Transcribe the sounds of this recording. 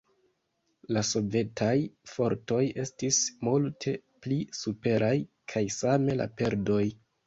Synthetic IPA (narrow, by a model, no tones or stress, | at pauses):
laso̞ve̞tʰajfo̞ɾto̞je̞stismultʰe̞plisupe̞ɾʔaj | kʰajsame̞la̰pe̞ɾdo̞j